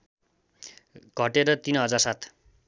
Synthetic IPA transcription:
ɡ̥ʱʌʈeɾʌt̪inɦʌd͡zarsat̪ʰ

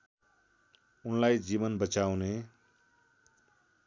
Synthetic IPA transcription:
unlaid͡ʒibənbət͡ʃawne

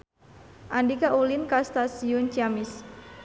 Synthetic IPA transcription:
ʔandikaʔulinkast̪asiʊnt͡ʃiamɪs

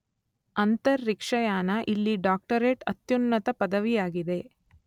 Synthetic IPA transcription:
ɐnt̪ɐɾːikʂɐjaːnɐʔilːiɖaːk̚ʈɐɾeːʈɐt̪junːɐt̪ɐpɐd̪ɐʋijaːɡid̪e̞

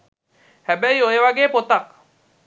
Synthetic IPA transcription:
hɛbɛjojewaɡeːpot̪ak̚

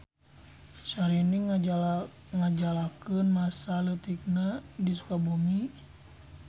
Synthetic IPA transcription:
ʃaɾiniŋ | ŋad͡ʒalakənmasalət̪ik̚nadisu̥kabumi

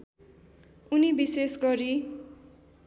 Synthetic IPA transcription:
unibisesɡʌɾi

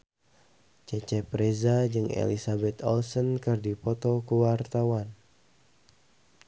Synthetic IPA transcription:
t͡ʃɛt͡ʃɛpɾezad͡ʒɨŋḛlḭsabɛt̪ɔlsɔnkɨrdipɔt̪ɔkuwart̪awan

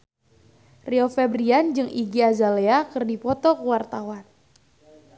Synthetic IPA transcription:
riofɛbɾiand͡ʒɨŋʔiɡiazaleakɨrdipɔt̪ɔkəwart̪awan

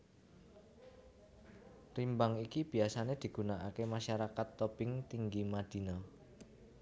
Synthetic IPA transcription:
rimbaŋikib̥i̤asaned̪̥i̤ɡ̥ṳnaʔakemaʃaɾakat̪ːɔpɪŋt̪iŋɡimad̪̥i̤na

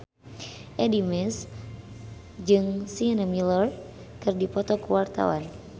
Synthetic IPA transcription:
ʔɛdimɛs | d͡ʒɨŋsiənəmilər | kɨrdipɔt̪ɔkuwart̪a̰wa̰n

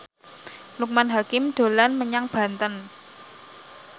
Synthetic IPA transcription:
luk̚manɦakɪmɖ̪̥o̤lanməɲaŋb̥a̤nt̪ən

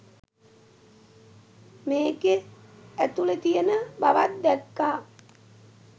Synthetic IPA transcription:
meːɡeæt̪ulet̪ijənəbaʋat̪̚d̪ɛkːaː

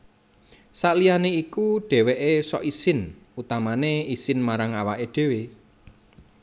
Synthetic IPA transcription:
saʔlijaneikuɖ̥ɛ̤weʔesɔ̰ʔisɪn | ut̪amaneisɪnmaɾaŋawaʔeɖ̪̥e̤we

